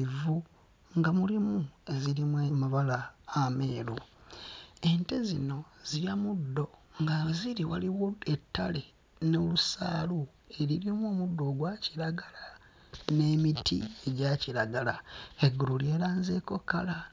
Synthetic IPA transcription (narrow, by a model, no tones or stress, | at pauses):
vu | ŋɡamulimue̞ziɾimwemaβalaːmeːlu | e̞nte̞zino̞z̥iɾjamudːo̞ŋɡaziɾiwaliwo̞etːale | no̞lusa̰ːlu | e̞ɾiɾimuoːmudːo̞ːɡwaciɾaɡala | ne̞mitʰḭe̞ɟaciɾaɡalaeɡululje̞ːlaːnzeːko̞kala